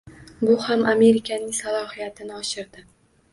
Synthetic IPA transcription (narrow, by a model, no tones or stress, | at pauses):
bʊhamʔame̞ɾɪkʲʰanɪŋsalˠɒhijat̪ʰɪnɪɒʃɪɾd̪ɪ